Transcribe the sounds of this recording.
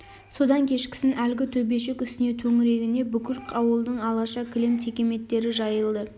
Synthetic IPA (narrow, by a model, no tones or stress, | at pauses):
so̞d̪ɑŋkʲʰe̞ʃkʲɪ̥sɪnʔælɡʲɪt̪ʰɵbe̞ʃe̞kʲʏst̪ɪne̞t̪ʰɵŋɪɾe̞ɡʲɪne̞bʏkʲʰɪɾqʰɑwəlˠd̪əɴɑlˠɑʃɑkʲʰɪlemt̪ʰekʲe̞me̞t̪ːe̞ɾɪʒɑjəlˠd̪ə